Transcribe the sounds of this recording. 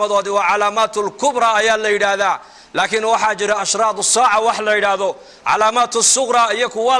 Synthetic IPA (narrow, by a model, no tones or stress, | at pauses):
mɐðɔːðɪwɑːʕɑlaːmaːt̪ʰʊlkʰʊbɾɑːɐjaːlɐjɪɽaːðaː | laːkʰɪnwɑħɑːt͡ʃɪɾɛɐʃɾɑːd̪ʊsaːʕɑwɑħlɐjɪɽaːðɔ | ʕɑ̰laːmaːt̪ʰʊsʊqɾɑːijɔkʰʊwɑː